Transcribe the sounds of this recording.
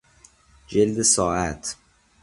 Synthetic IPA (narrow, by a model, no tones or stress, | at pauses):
d͡ʒeld̪esɒːæt̪ʰ